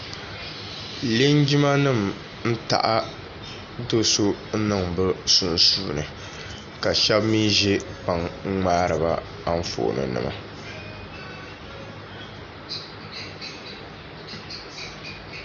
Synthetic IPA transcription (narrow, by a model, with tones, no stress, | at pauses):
le˦nd͡ʒi˦ma˦nɨ˦˨m | n̩˦ta̰˨ʔa˦ | do˦so˦nɨ˦˨ŋbɨ˦su˦n˦suː˦nɨ˨ | ka˨ʃɛ˦bmi˦ʒe˦pa˨ŋ˦ŋ͡maː˦ɾɨ˨ba˨ | a˦ɱ̩˦fo̰ː˨nɨ̰˨nɨ̰˨ma˨